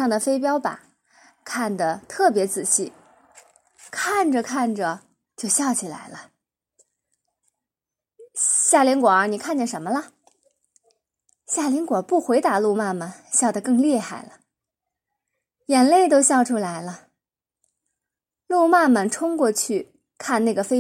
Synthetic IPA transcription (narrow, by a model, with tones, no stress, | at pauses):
ɑ˥˩ŋd̪ə˩fe˥ɪp̬jɑ˥ʊpa̰˨˩˦ | kʰa˥˩nd̪ə˩t̪ʰɤ˥˩p̬jɛ˧˥t͡sɹ̩˨˩ɕi˥˩ | kʰa˥˩nʈ͡ʂə˩kʰa˥˩nʈ͡ʂə˩ | t͡ɕjo˥˧ʊɕjɑ˥˧ʊt͡ɕʰi˨˩la̰˧˥ɪlə˧ | ɕja˥˩li˧˥ŋkwɔ˨˩˥ni˨˩kʰa˥˧nt͡ɕjɛ˥˩nʂ̬ə˧˥nmə˧lə˧ | ɕja˥˩li˧˥ŋkwɔ˨˩pu˥˩xwe˧˥ɪt̪a˧˥lu˥˧ma˥˩mə˩ɕjɑ˥˩ʊd̪ə˩kɤ˥˧ŋlɛ˥˧xa˥˩ɪlə˦ | jɛ˨˩nle˥˩ɪt̪̬o˥ʊɕjɑ˥˩ʊʈ͡ʂʰu˥la˧˥ɪlə˧ | lu˥˧ma˥˩mə˩nʈ͡ʂʰʊ˥ŋkwɔ˥˧t͡ɕʰy˥˩ | kʰa˥˧nna˥˩ɪɡə˩fe˥